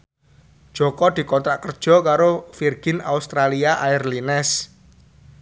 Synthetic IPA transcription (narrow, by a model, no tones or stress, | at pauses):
d̥ʒ̥ɔ̤kɔd̪̥i̤kɔnt̪ɾaʔkərd̥ʒ̥ɔ̤kaɾofirɡ̥ɪ̤na̰ust̪ɾaliaʔairlinɛs